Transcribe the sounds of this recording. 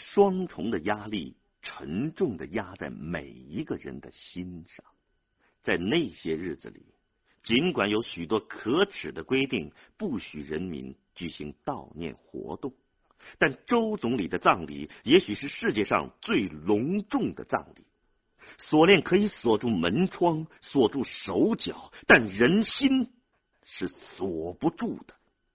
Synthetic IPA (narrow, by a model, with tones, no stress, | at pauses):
ʂwɑ˥ŋʈ͡ʂʰʊ˧˥ŋd̪ə˧ja˥lḭ˥˩ | ʈ͡ʂʰə˧˥ŋʈ͡ʂʊ˥˩ŋd̪ə˩ja˥t͡sa˥˩ɪmḛ˨˩ɪi˧˥ɡə˧ɻə̰˧˥nd̪ə˧ɕi˥nʂɑ˥˩ŋ | t͡sa˥˧ɪne˥˩ɪɕjɛ˥ɻɻ̩˥˩d͡zɹ̩̰˩lḭ˨˩˦ | t͡ɕi˧˥nkwa˨˩njo˧˥ʊɕy˨˩t̪wɔ˥kʰɤ˧˥ʈ͡ʂʰɻ̩˨˩d̪ə˦kwe˥ɪt̪i˥˩ŋ | pu˥˩ɕy˨˩ɻə˧˥nmḭ˧˥n | t͡ɕy˨˩ɕi˧˥ŋt̪ɑ˥˧ʊnjɛ̰˥˩nxwɔ̰˧˥t̪ʊ˥˩ŋ | t̪a˥˩nʈ͡ʂo˥ʊt͡sʊ˧˥ŋli˨˩d̪ə˦t͡sɑ˥˧ŋlḭ˨˩jɛ˧˥ɕy˨˩ʂɻ̩˥˧ʂɻ̩˥˧t͡ɕjɛ˥˧ʂɑ̰˥˧ŋt͡swe˥˩ɪlʊ˧˥ŋʈ͡ʂʊ˥˩ŋd̪ə̰˩t͡sɑ̰˥˧ŋlḭ˨˩˦ | swɔ˨˩ljɛ˥˩nkʰɤ˧˥i˧˥swɔ˨˩ʈ͡ʂu˥˩mə˧˥nʈ͡ʂʰwɑ˥ŋswɔ˨˩ʈ͡ʂu˥˩ʂo˧˥ʊt͡ɕjɑ˨˩˦ʊt̪a˥˩nɻə˧˥nɕi˥n | ʂɻ̩˥˩swɔ˨˩pu˧˥ʈ͡ʂu˥˩d̪̥ə̥˩